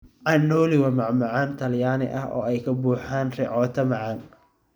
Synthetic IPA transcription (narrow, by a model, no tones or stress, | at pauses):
ʔɑnːɔːlɪwɐmɑʕmɑʕaːnt̪ʰɐljaːnɪ̰ʔɐ̰ɦʔɔ̰ːɛjkʰɐbuːħaːnrɛ̰ʕɔːt̪ʰɐmɑʕɑn